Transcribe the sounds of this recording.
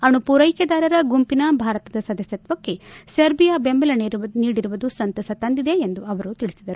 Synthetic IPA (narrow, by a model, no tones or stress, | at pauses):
ɐɳupuɾɐjkɐd̪aːɾɐɾɐɡumpinɐbʱaːɾɐt̪ɐd̪ɐsɐd̪ɐsjɐt̪ʋɐkːe̞sɐɾbijabembɐlɐniɾniːɽiɾuʋud̪usɐnt̪ɐsɐt̪ɐnd̪id̪e̞ːnd̪uɐʋɐɾut̪iɭisid̪ɐɾu